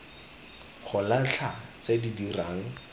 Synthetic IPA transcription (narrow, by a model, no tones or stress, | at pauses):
χʰʊlaɬʰat͡sedidiraːŋ̩